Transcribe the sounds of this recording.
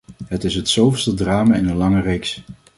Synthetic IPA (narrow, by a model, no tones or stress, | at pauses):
ɦətɪsɦətsowvəstədraːmaːɪnənlɑŋərejks